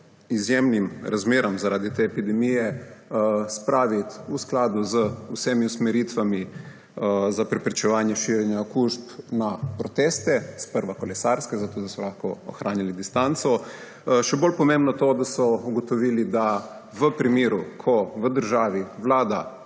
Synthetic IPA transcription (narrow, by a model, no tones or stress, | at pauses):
izjemnimɾazmeːɾɔmzaɾaːd̪it̪eɛpid̪ɛmijɛ | spɾaːʋit̪usklaːd̪uzəusemiusmɛɾiːt̪ʋami | zapɾɛpɾit͡ʃɛʋaːnjɛʃiːɾjɛnjaokuʃpnapɾɔt̪eːst̪ɛspəɾʋakɔlɛsaɾskɛzat̪oːd̪asɔlaxkɔɔ̰xɾaːnjilid̪ist̪ant̪sɔ | ʃɛbolpɔmẽmbnɔt̪od̪asɔuɡɔt̪ɔʋiːlid̪a | ʋəpɾimeːɾukʰɔʋəd̪əɾʒaːʋiʋlaːd̪a